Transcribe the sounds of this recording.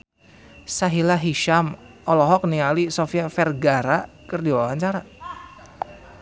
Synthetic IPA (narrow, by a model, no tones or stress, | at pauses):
saɦilaɦiʃam | ɔlɔɦɔk̚nialisofiafɛrɡaɾakərdiwawaɲt͡ʃaɾa